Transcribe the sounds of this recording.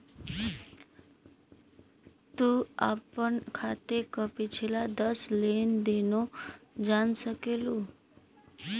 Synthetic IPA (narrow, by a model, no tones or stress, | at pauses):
t̪ua̰pəɳkʰat̪ekəpit͡ɕʰelad̪əslend̪enod͡zansəkelu